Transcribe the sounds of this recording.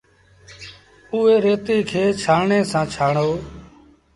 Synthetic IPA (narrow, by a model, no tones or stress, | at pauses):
ʊːeːɾeːt̪iːkʰeːt͡ʃʰaːɳeːsãːt͡ʃʰaːɳoː